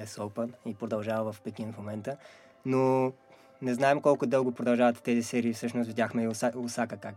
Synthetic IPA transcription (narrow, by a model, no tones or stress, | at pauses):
ɛsolˠpənipɾod̪ɐlˠʒavəvɐfpɛkinfmomɛnt̪ə | no | nɛznaɛmkɔlˠkʊd̪ɤlˠɡʊpɾod̪ɐlˠʒavɐt̪t̪ɛzisɛɾiːfsɤʃnʊst̪vid̪ʲaxmɛʊsakəkak